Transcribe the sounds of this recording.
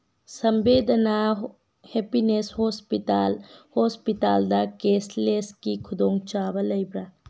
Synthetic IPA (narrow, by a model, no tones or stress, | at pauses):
sɐmbed̪ʱɐna | hepineshɔspitalhospitald̪ɐkesleskikʰud̪oŋt͡ʃabɐlɐjbɾa